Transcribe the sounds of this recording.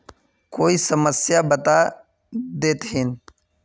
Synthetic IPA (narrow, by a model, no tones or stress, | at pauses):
koːisəməsjabət̪a | d̪eːt̪ɦin